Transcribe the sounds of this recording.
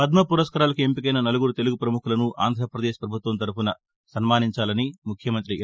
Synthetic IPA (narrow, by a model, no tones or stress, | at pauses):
pɐd̪mɐpuɾɐskɐɾaːlɐkuempikɐjnɐnɐluɡuɾut̪e̞luɡupɾɐmukʰulɐnuʔa̰ːnd̪ʱɾɐpɾɐd̪eːʃɐ̥pɾɐbʱut̪ʋɐmt̪ɐɾupunɐ | sɐnmaːniɲt͡ʃaːlɐnimukʰjɐmɐnt̪ɾi